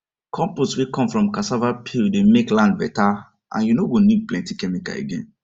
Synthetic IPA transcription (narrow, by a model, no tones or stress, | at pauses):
kʰɔ̃mposwikɔ̃mfɹɔ̃mkasavapʰildemeklãnd̚bɛta | ʔã̰njunoɡonid̚plɛ̃ntikɛmika̰ḛɡɛ̰̃n